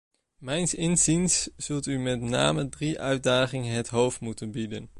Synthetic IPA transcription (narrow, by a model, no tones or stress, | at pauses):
mɛjnsɪnzinsz̥ɵlˠtymɛtna̰ːmədriʔœɥt̚daːχɪŋəɦətɦowftmutənbidə̰n